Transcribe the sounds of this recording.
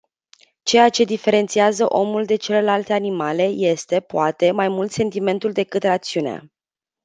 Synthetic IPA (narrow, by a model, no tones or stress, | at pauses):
t͡ʃe̞jat͡ʃe̞d̪ife̞ɾe̞nt̪siazəʔo̞muld̪e̞t͡ʃe̞le̞lalt̪e̞animale̞je̞st̪e̞poat̪e̞majmult̪se̞nt̪ime̞nt̪uld̪e̞kɨt̪rat̪siunea̰